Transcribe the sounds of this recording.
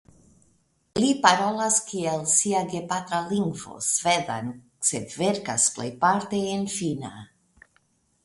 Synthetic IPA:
lipaɾolaskielsiaɡepat̪ɾaliŋɡvo̞̰sved̪a̰n | seveɾkasplḛjpaɾt̪eːnfina̰

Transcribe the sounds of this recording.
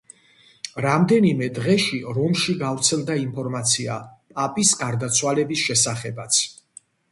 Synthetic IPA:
ɾamd̪ɛnimɛd̪ʁɛʃiɾɔmʃiɡavɾt̪sʰɛlˠd̪aimpʰɔɾmat̪sʰia̰pʼapʼisɡaɾd̪at̪sʰwalɛbisʃɛsaχɛbat̪sʰ

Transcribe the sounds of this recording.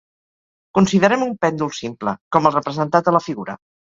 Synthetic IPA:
kunsiðəɾɛmumpɛnd̪ulˠsimplə̰kɔməlˠrəpɾəzənt̪at̪ələfiɣuɾə

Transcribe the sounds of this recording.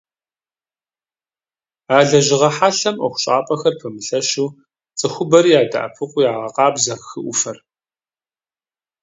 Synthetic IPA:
aːɮɐʒɪʁɐħaɬɐmʔɐxʷʊ̥ɕʼaːpʼɐxɐrpʰɨmɨɬɐʃuː | t͡sʼɨxʷʊbɐɾiːjaːda̰ʔɐ̰pʰɨqʷʼʊjaːʁɐqɑːbzɐxɨʔʷʊfɐr

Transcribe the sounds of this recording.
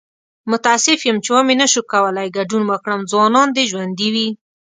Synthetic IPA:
mʊt̪aːsɪfjəmt͡ʃewamenaʃukawəlajɡaɖunwəkɽəmzwɑnɑnd̪eʒwand̪iwi

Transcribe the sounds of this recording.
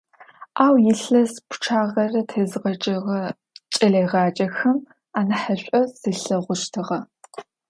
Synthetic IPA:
aːwjɪɬɐspʰʊ̥ʈ͡ʂʰaːʁɐrɐtʰeːzɨʁɐt͡ʃʼɐʁɐ | t͡ʃʼɐɮejʁɑːt͡ʃʼɐxɐm | aːnɐħɐɕʷʼɔsɨɬɐʁʷʊʃtʰɨʁɐ

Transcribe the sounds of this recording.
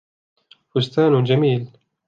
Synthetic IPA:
fʊst̪aːnd͡ʒamiːl

